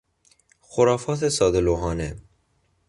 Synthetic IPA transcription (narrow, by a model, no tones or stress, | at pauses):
xoɾɒːfɒːt̪ʰesɒːd̪eloɦɒːne